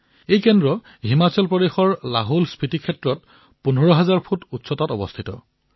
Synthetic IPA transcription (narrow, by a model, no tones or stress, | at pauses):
ejkɛndɹɔ | ɦimat͡ɕɔlpɹɔdexɔɹlaɦolspɹitikʰɛtɹɔt | punɔɹɔɦazaɹpʰututsɔtatɔ̰bɔ̰stʰitɔ̰